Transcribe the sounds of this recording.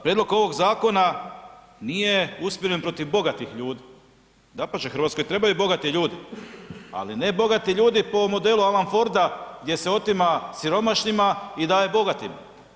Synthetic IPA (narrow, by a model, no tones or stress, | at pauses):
pɾed̪lo̞ko̞ʋo̞ɡzaːko̞na | nije̞uspjoɾenpɾo̞t̪iʋbo̞ɡat̪ixʎuːd̪i | d̪apat͡ʃexɾʋat̪ko̞jt̪ɾe̞bajubo̞ɡat̪iʎuːd̪i | a̰line̞bo̞ɡat̪iʎuːd̪ipo̞mo̞d̪e̞lualanfo̞ɾd̪aɡd̪ʲje̞seo̞t̪imasiɾo̞maʃɲimaid̪aːjebo̞ɡat̪im